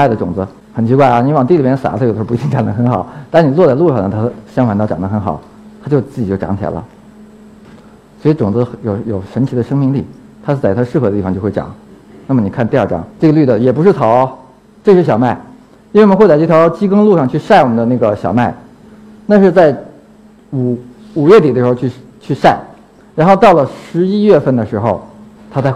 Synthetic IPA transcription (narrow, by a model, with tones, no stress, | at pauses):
a˥˩də˩ʈ͡ʂʊ˨˩ŋd͡z̩˧˦ | xə˨˩nt͡ɕʰi˧˥kwa˥˩ɪɐ˩ni˧˥wɑ˨˩ŋt̪i˥˩li˨˩mɛ˥n˩sa̰˨˩˥o˨˩d̪ə˧˥˧i˥˩ʈ͡ʂɑ˨˩ŋd̪ə˧˩xə˧˥nxɑ˨˩˦ʊt̪a˥˩˥ni˨˩lwɔ˥˧t͡sa˥˧ɪlu˥˧ʂɑ˥˩nə˩t̪ʰa˥ɕjɑ˥ŋxwa˨˩nt̪ɑ˥˩ʈ͡ʂɑ˨˩ŋd̪ə˧xə˧˥nxɑ˨˩˦ʊ | t̪ʰa˥t͡ɕo˥˧t͡sɹ̩˥˩t͡ɕi˨˩jo˥˩ʊʈ͡ʂɑ̰˧˥ŋt͡ɕʰjɛ̰˨˩˦lə̰˦ | swɔ˧˥i˧˥ʈ͡ʂʊ˨˩ŋd͡zɹ̩˧xjo˨˩ʊjo˨˩ʊʂə˧˥nt͡ɕʰi˧˥d̪ə˧ʂɤ˥ŋmi˥˧ŋli˥˩ | t̪ʰa˥ʂ̩˥˩t͡sa˥˩ɪt̪ʰa˥ʂɻ̩˥˩xɤ˧˥də˧t̪i˥˩ɑ˧ŋt͡ɕjo˥˧xe˥˩ɑ̰˨˩˦ŋ | na˥˩mə˩ni˨˩kʰnt̪ɑ˥˩ʈ͡ʂɑ̰˨˩˦ŋʈ͡ʂɤ˥˩ɡə˩ly˥˩d̪ə˩jɛ˨˩pu˧˥ʂɻ̩˥˩t͡s̪ʰɑ˧˥˦ʊ | ʈ͡ʂɤ˥˧ʂ̩˥˩ɕjɑ˨˩ʊma˥˩ɪ | i˥e˥˧˩m˧xwe˥˧a˥˩˥tʰjɑ˧˥ʊt͡ɕi˥kɤ˥ŋlu˥˧ʂɑ˥˧ŋt͡ɕʰy˥˧ʂa˥˩ɪwɔ˨˩mə˦nd̪ə˦na˥˩ɡə˩ɕjɑ˨˩ʊma˥˩ɪ | t̪a˥˧nʂ̬ɻ̩˥˧t͡sa˥˩ɪ | u˨˩ | u˨˩ɥɛ˥˩t̪i˨˩ə˦ɻ̩˧˥˧t͡ɕʰ | t͡ɕʰy˥˧ʂa˥˩ɪ | ɻa˧˥nxo˥˧t̪ɑ˥˩ʊlə˩ʂɻ̩˧˥i˥ɥɛ˥˧fə˥˩nd̪ə˩ʂɻ̩˧˥xo˥˧ʊ | t̪ʰa˥t͡sa˥˧ɪ